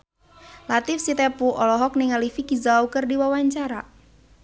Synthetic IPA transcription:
lat̪ɪfsit̪ɛpuʔɔlɔɦɔk̚nɪŋalifikizaukərdiwawaɲt͡ʃaɾa

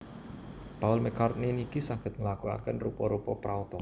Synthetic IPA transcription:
paʊlmɛkart̪̚ninikisaŋkət̪̚ŋəlakua̰kɛnrupɔɾupɔpɾaut̪ɔ

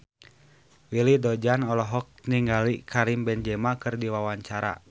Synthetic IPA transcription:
wilidɔd͡ʒanɔlɔɦɔk̚niŋɡalikʰaɾimbɛnd͡ʒɛmakɨrdiwawaɲt͡ʃaɾa̰

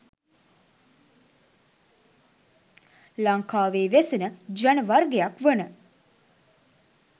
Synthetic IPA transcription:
laŋkaːʋeːʋesinəd͡ʒanəʋaɾɡejakʋənə

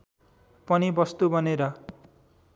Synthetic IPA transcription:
pʌnibʌst̪ubʱʌneɾʌ

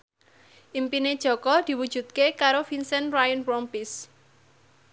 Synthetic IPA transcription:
ʔimpined̥ʒ̥ɔ̤kɔd̪̥i̤wud̥ʒ̥ṳt̪̚kekaɾofinsɛnrajənpɾɔmpis

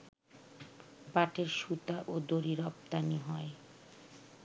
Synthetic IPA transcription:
paʈʰeɾʃut̪aʔod̪oɾiɾɔp̚t̪aniɦɔe

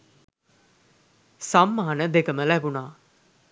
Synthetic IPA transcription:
samːaːnəd̪ekəməlæbunaː

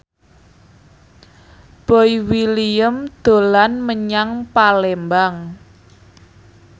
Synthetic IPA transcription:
b̥ɔjwiliəmd̪̥o̤lanməɲaŋpalembaŋ

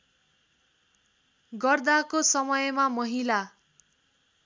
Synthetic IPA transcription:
ɡʌrd̪akosʌmʌjmamʌɦila

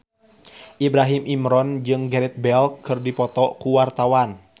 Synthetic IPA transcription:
ʔibɾaɦimʔimɾɔnd͡ʒɨŋɡɛɾɛt̪̚bɛlkɨrdipɔt̪ɔkuwart̪awan

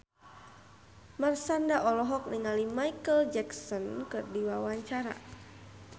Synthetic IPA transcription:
marsandaʔɔlɔɦɔk̚niŋalimajkəld͡ʒɛksɔnkɨrdiwawaɲt͡ʃaɾa̰

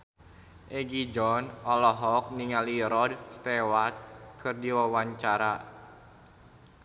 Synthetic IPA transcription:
ʔeɡid͡ʒɔnɔlɔɦɔk̚niŋaliɾɔdst̪ewat̪̚kʰɨrdiwawaɲt͡ʃaɾa

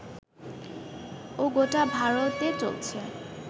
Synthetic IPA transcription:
oɡotabʱaɹot̪et͡ɕo̰lt͡ɕʰe

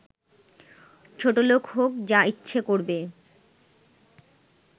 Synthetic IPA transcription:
t͡ɕʰoʈolokɦokd͡ʑaitːɕʰekoɾbe

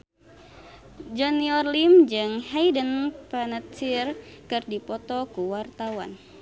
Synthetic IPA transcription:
d͡ʒɔniɔrlimd͡ʒɨŋhajdənpanat̪t͡ʃirkɨrdipɔt̪ɔkuwart̪awan

